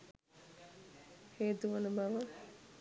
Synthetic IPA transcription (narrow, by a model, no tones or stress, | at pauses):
heːt̪uʋənəbaʋə